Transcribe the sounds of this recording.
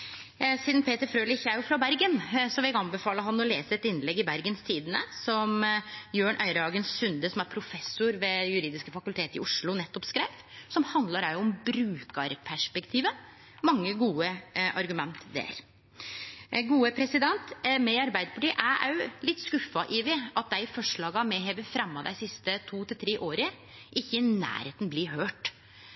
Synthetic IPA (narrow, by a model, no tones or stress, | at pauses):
siːd̪npʰeːt̪əɾfɾøːlɪçæɾjʊfɾɑbæɾɡənsɔʋɪɛɡɑnbɛfɑːləɦɑnːɔleːsəɛt̪ɪnːlɛɡːɪbæɾɡənst̪iːd̪ənəsɔmjøːɳʔœʏɾəɑːɡənsʉnd̪əsɔmæɾpʰɾʊfɛsʊɾʋɛjʉɾiːd̪ɪskəfɑkʉlt̪ʰeːt̪ɪ̰ʔʊʂɭʊnɛt̪ːɔpskɾæɪʋtsɔmhɑnd̪lɑɾæʊɔmbɾʉːkɑɾpʰæʂpɛkt̪ʰiːʋə | mɑŋːəɡuːəʔɑ̰ɾɡʉmɛnt̪d̪ḛɾ | ɡuːəpʰɾɛsɪd̪ɛnt̪mɛɑɾbæɪd̪əpʰɑʈiːʔææ̰lɪt̪ːskʉfːɑʔɪːʋɪɑt̪̚d̪æɪɪfɔʂɭɑːɡɑmɛːɦeːʋəfɾɛmːɑd̪æ̰ɪsɪst̪ət̪ʰuːt̪ʰɪlt̪ʰɾeːʔoːɾə | ʔɪçːəɪnæ̰ːɾheːt̪n̩bliːɦøːʈ